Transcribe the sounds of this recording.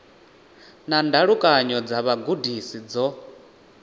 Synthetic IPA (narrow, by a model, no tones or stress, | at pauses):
nandaɺukʼaɲɔd͡zaβaɡudisid͡zɔ